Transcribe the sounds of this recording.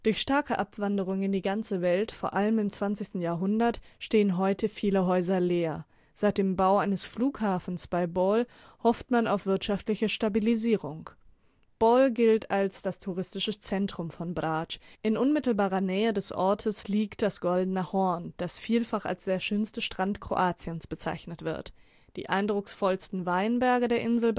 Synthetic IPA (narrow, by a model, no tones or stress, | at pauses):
d̥ʊɐçʃtaɐkəʔapv̥andəʁ̞ʊŋnɪndiːɡant͡səvɛltfoːɐʔaləmɪmt͡sv̥ant͡sɪçstn̩jaːɐɦʊndɐtʃteːənɦɔʏtʰəfiːləɦɔʏzɐleːɐ | z̥aɪt̚d̥eːmbaʊʔaɪnəsfluːkhaːfn̩sb̥aɪbɔl | hɔftmanaʊfv̥ɪɐtʃaftlɪçəʃtabiliziːʁʊŋ | b̥ɔlɡɪltalsd̥astʰuʁɪstɪʃət͡sɛntʁ̥ʊmfɔnbʁaːt͡ʃʔɪnʔʊnmɪtl̩baːʁɐnɛːədɛsʔɔɐtʰəsliːkt̚d̥asɡ̥ɔldn̩əhɔɐnd̥asfiːlfaχa̰lsd̥eːɐʃøːnstəʃtʁ̥antkʁ̥o̰ʔaːt͡siənsb̥ət͡sa̰ɪçnətv̥ɪ̰ɐt | d̥ḭːʔa̰ɪndʁʊksfɔlstn̩vaɪnbɛɐɡədeːɐʔɪnzl̩